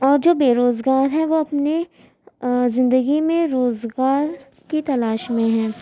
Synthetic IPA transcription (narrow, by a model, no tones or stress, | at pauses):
ɔːɾd͡ʒoːbeːɾoːzɡaːɾɦɛ̃ʋoɐpne | zɪ̃nd̪əɡimẽɾoːzɡaːɾ | kit̪ɐlaːʃmẽɦɛ̃ː